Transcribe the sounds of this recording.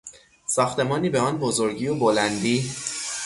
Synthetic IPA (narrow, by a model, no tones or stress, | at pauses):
sɒːxt̪ʰe̞mɒːniːbeɒːnbozo̞ɾɟiːjobolænd̪iː